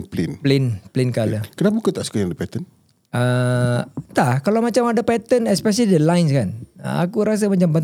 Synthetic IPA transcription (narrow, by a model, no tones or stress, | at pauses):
plɪ̰nplɪnplɪnkaləkənapakut̪aʔsə̥kəjaŋdəpɛt̪ən | ʔə | t̪akalamat͡ʃamadapɛt̪ənɛspɛs̬alidəlajnskanə̰a̰kuɾas̬amat͡ʃambən